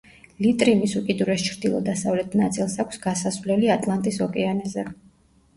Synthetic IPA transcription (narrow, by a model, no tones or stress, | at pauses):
lit̪ʼɾimisukʼid̪uɾɛst͡ʃʰɾd̪ilˠɔ̰d̪asavlɛt̪ʰnat̪sʼilˠsakʷʰsɡasasvlɛliat̪ʼlˠant̪ʼisɔkʼɛanɛzɛ